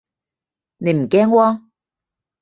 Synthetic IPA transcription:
ne˨˧jm̩˨˩kɛː˥ŋwɔː˥

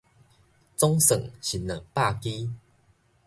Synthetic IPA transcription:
t͡sɔ˦ŋsə̰˨˩ŋɕi˨˦nːə̰˨˩ŋpa˥˨ki˦

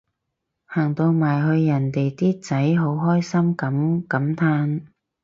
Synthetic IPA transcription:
haː˨˩ŋt̪o˧wmaː˨˩jɦɵ˧ɥjɐ˨˩nt̪e˨jt̪iː˥t͡sɐ˨˥jɦo˨˥wɦɔː˥jsɐ˥mkɐ˨˥mkɐ˨˥mt̪ʰaː˧˥n

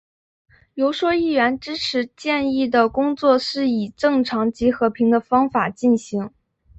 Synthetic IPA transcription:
jo˧˥ʊʂwɔ˥i˥˩ɥɛ˧˥nʈ͡ʂɻ̩˥ʈ͡ʂʰɻ̩˧˥t͡ɕjɛ˥˧ni˥˩d̪ə˩kʊ˥ŋt͡swɔ˥˧ʂɻ̩˥˩i˨˩ʈ͡ʂɤ˥˩ŋʈ͡ʂʰɑ˧˥ŋt͡ɕi˧˥xɤ˧˥pʰi˧˥ŋd̪ə˧fɑ˥ŋfa˨˩t͡ɕi˥˩nɕi˧˥ŋ

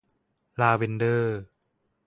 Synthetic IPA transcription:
laː˧we˧ndɤː˧˩

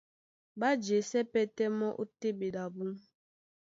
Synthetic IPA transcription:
ba˦d͡ʒe˨sɛ˦pɛ˦tɛ˦mɔ˦ʔu˦te˦be˨da˨bu˦m

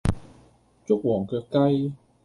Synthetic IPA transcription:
t͡sʊ˥k̚wɔː˨˩ŋkɛː˧kɐ˧j

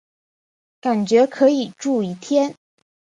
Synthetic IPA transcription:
ka˨˩nt͡ɕɥɛ˧˥kʰɤ˧˥i˨˩ʈ͡ʂu˥˩i˧˥t̪ʰjɛ˥n

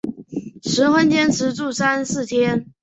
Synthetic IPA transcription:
ʂɻ̩˧˥xwə˥nt͡ɕjɛ˥nʈ͡ʂʰɻ̩˧˥ʈ͡ʂu˥˩sa˥nsɹ̩˥˩t̪ʰjɛ˥n

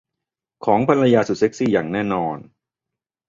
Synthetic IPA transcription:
kʰɔː˩˦ŋpʰa˧nɾa˧jaː˧su˨˩t̪̚se˦˥k̚siː˥˩jaː˨˩ŋnɛː˥˩nɔː˧n

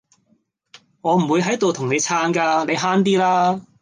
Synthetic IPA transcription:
ŋɔː˨˧m̩˨˩wu˨˧jɦɐ˨˥jt̪o˨wt̪ʰʊ˨˩ŋne˨˧jt͡sʰaː˨˥nkaː˧ne˨˧jɦaː˥nt̪̬iː˥laː˥

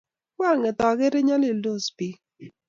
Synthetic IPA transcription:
kwa˦˨ŋɪ˨tɔ˨ɡe˦ɾe˦ɲa˦lɪ˨lo˦˨spi˨˦

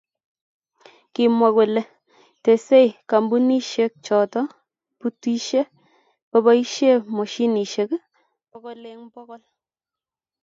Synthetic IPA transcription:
ki˨mwa˨ku˨le˨ | te˨se˦jka˨mbu˦ni˦ʃe˦k̚t͡ʃɔ˨tɔ˦ | pu˨twi˦ʃe˦ | pɔ˦ba˦i˦ʃe˦mo˨ʃi˦ni˨ʃe˨k | pɔ˦kɔ˦le˦ŋbɔ˦kɔ˦l

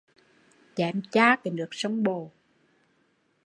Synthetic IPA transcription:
t͡ɕɛ˨˩mt͡ɕaː˧kɛ˨˩˦nɨ˨˩ək̚sə˧wŋ͡mɓo˨˩

